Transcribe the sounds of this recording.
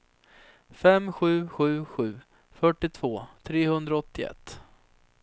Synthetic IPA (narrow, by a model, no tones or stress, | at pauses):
fɛmɧʉ̟ːɧʉ̟ːɧʉ̟ː | fœʈːɪt̪ʰvoːt̪ʰɾeːhɵnd̪ɾaɔt̪ːɪɛ̰t̪ː